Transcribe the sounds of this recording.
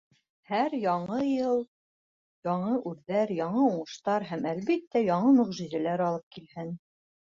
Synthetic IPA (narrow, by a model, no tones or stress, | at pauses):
hæɾjɑɴɤjɤlˠ | jɑɴɤʔʉðːæɾjɑɴɤuɴɤ̆ʃt̪ɑɾɦæmælβit̪ːæjɑɴɤmɵ̆ʁʒizælæɾɑlˠɤp̚kilhɘn